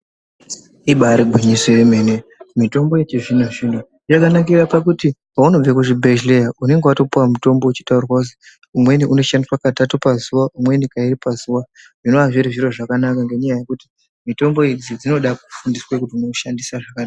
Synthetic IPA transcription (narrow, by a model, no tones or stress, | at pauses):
iɓaɾiɡʱwiɲisojeme̞nemito̞mbo̞et͡ʃeʐinoʐin̤u | jakanakirapak̬uti | auno̞b͡vekuʐibʱeʒlejaune̞ŋɡewato̞puwamuto̞mbo̞ut͡ʃi̥taurwaus̬i̥ | umwe̞niʔuno̞ʃandiswakatatupazuwaʔumwe̞nikairipazuwa | ʐino̞aʐiɾiʐiɾo̞ʐakanakaŋɡe̞ɲajaje̞kuti̥ | mito̞mbo̞id͡zid͡zino̞ɗak̚u̥fundiswekutiunoʃandisaʐakanaa